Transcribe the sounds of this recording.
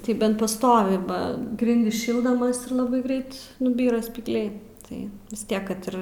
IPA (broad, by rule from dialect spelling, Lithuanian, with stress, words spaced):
tɐɪ ˈbʲɛnt pɐˈstoːʋʲɪ ˈbɐ ˈɡrʲɪnʲdʲɪs ˈʃʲɪlˠdɐmɐs ɪr ˈlˠɑːbɐɪ ˈɡrʲɛɪt nʊˈbʲiːrɐ sʲpʲiːɡlʲˈɛɪ ˈtɐɪ ʋʲɪs ˈtʲiɛk kɐt ˈɪr